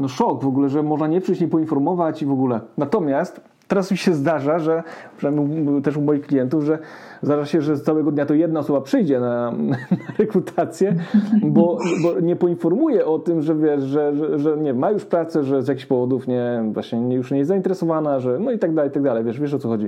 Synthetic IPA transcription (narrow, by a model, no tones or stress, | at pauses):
nɔʂɔkvɔɡulɛʐɛmɔʐnaɲɛpʂɘjt͡ɕɲɛpɔinfɔɾmɔvat͡ɕivɔɡulɛnat̪ɔmʲjast̪ | t̪ːɛɾasmʲiɕɛzd̪aʐaʐɛpʂɨnamʲut̪ɛʂumɔjixklʲijɛnt̪uvʐɛ | zd̪aʐaɕɛʐɛt̪sawɛɡɔd̪ɲat̪ɔjɛd̪naɔsɔbapʂɘjd͡ʑɛnanaɾɛkɾut̪ʰat̪sʲjɛbɔbɔɲɛpɔinfɔɾmujɛʔɔt̪ɘmʐɛvʲjɛʂʐɛʐɛʐɛɲɛmajuʂpɾat̪sɛʐɛzʲjakʲiçɕpɔvɔd̪ufɲɛvwa̰ɕɲɛɲɛjuʂɲɛjɛst̪zaint̪ɛɾɛsɔvanaʐɛnɔit̪aɡd̪alɛjit̪aɡ̚d̪alɛjvʲjɛʂvʲjɛʂ̬ɔt̪sɔxɔd͡ʑi